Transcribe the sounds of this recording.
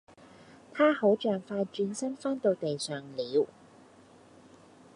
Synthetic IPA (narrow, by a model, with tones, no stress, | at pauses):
t̪ʰaː˥ho˨˥wt͡ʃœː˨˩ŋfaː˧jt͡ʃyː˧nsɐ˥nfaː˥nt̪o˧wt̪e˨jsœː˨˩ŋliː˨˧˥w